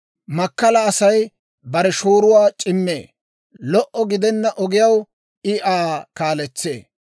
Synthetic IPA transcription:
mɐkːɐlɐːsɐj | bɐɾɛʃoːɾʊwaːt͡ʃʼɪmːḛː | lɔʔːɔɡɪd̪ɛnːɐʔɔɡɪjɐw | ɪʔaːkaːlɛt͡sːḛː

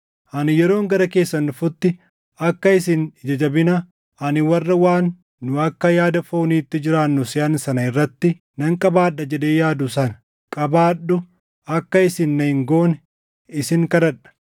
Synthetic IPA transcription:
ʔɐnɪjɛɾo̞ːŋɡɐɾɐke̞ːsːɐnːʊfʊt̪ːɪ | ɐkːɐɪsɪnd͡ʒɐd͡ʒɐbɪnɐ | ʔɐnɪwɐrːɐwaːnː | ʊɐkːɐjaːd̪ɐfo̞ːniːt̪ːɪd͡ʒɪɾaːnːʊsɪɐnsɐnɐɪrːɐt̪ːɪ | nɐŋkʼɐbaːᶑɐd͡ʒɛᶑ̪eːjaːd̪ʊsɐnɐ̥ | kʼɐbaːɗːʊ | ɐkːɐɪsɪnːɐɪŋɡo̞ːn | ɪsɪŋkɐd̪ɐᶑɐ̥

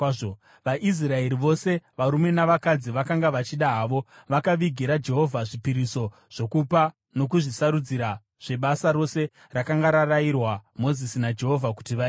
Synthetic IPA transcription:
o | ʋaʔis̬rae̞ɾiʋo̞se̞ʋaɾume̞naʋakad͡ziʋakaŋɡaʋat͡ʃiɗaɦaːʋo̞ʋakaʋiɡʱiɾad͡ʒe̞ɦo̞vʱaʐipiɾiso̞ | ʐ̥o̞kupa | no̞k̬uʐisaɾud͡ziɾa | ʐ̥e̞ɓasaɾo̞se̞ | rakaŋɡaɾarairwamo̞zisinad͡ʒe̞ɦo̞vʱaku̥tiʋa

